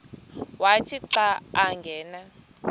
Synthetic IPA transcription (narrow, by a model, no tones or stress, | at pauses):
watʰiǁaːaŋɡʱɛːna